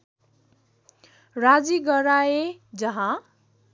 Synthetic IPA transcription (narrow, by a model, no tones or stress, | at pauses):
rad͡ziɡʌɾaed͡zʌɦã